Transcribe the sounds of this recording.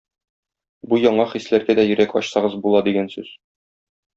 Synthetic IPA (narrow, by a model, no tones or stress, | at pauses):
bujɒɴɑχislæɾɡæd̪æjɵ̆ɾækɒ̰ɕsɑʁɤzbulˠɑd̪iɡænsʉz̥